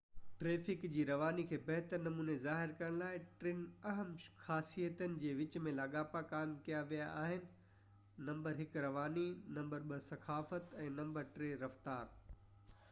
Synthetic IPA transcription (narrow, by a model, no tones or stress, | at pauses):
ʈɾeːfɪkd͡ʑiːɾɐʋaːnikʰeːbɛɦt̪əɾnɐmuːnezaːɦɪɾkɐɾə̃ɽ̃laːɪʈɾɪnɐɦəmxaːsijət̪ənɪ̆d͡ʑeːʋɪt͡ɕmẽlaːɠaːpakaːɪmkijaʋijaʔaːɦɪnɪ̆ | nɐ̃mbəɾɦɪkɾɐʋaːninɐ̃mbəɾɓəsɐxaːfət̪ɛ̃ːnɐ̃mbəɾʈɾeːɾɐft̪aːɾ